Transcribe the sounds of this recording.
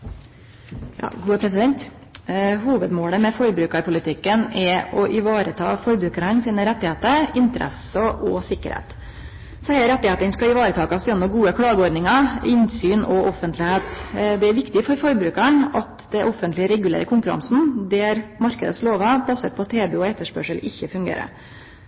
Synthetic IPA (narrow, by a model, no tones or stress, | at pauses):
jɑ̰ːɡuːəpʰɾɛs̬ɪd̪ɛnt̪ | ɦuːʋəd̪moːləmɛfɔɾbɾʉːkɑɾpʊlɪt̪ʰɪkːənɛɔʔɪʋɑːɾət̪ʰɑ̰ːfɔɾbɾʉːkəɾəɳsiːnəɾɛt̪ːɪheːt̪əɾɪnt̪əɾʔɛ̰səʔɔsɪkːə̰ɾhḛːt̪ | sæɪəɾɛt̪ːɪheːt̪ənskɑɪʋɑːɾət̪ʰɑːkɑsjɛnːɔɡuːəkʰɽɑːɡəɔɾd̪nɪŋɑɪnsyːnɔʔɔfənt̪lɪheːt̪d̪ɛæɾʋɪkt̪ɪfɔɾfɔɾbɾʉːkæɳɑt̪d̪ɛʔɔfːənt̪lɪəɾɛɡʉlḛːɾəkʰʊŋkʉɾɑ̰nsn̩d̪ɛæɾmɑɾkəd̪əsloːʋɑbɑsə̰ɾpʰɔt̪ʰeːbɛɔɛt̪ːəʂpœ̰ʂəlɪçːəfʉŋɡḛːɾə̰